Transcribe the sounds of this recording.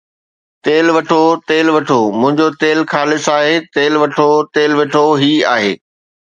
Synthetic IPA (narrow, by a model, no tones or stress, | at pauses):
t̪eːlʋɐʈʰot̪eːlʋɐʈʰomʊ̃ɦɪ̃ɲd͡ʑot̪eːlxaːlɪsaːɦeːt̪eːlʋɐʈʰot̪eːlʋɪʈʰoɦia̰ːɦḛː